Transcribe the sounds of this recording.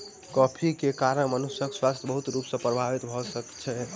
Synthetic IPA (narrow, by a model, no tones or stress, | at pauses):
kɔpʰikekaɾəmənusjəkswast̪ʰjəbəɦut̪ɾupsə̃pɾəbʱaʋit̪bʱɔsəkt͡ʃʰɛ